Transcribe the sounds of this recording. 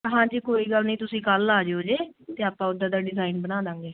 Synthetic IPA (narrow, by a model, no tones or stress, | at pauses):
ɦãːd͡ʒiːkoːiːɡəlnĩːt̪ʊsĩːkəlːaːd͡ʒeoːd͡ʒeːt̪eːaːpãːʊd̪ãːd̪aːɖɪzaːiːnbənaːd̪ãːŋɡeː